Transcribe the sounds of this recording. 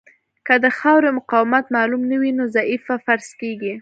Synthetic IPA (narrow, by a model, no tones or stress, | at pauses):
kəd̪əxɑwɾemʊqɑwɪmat̪mɑlumnawinozaifafaɾskeɡi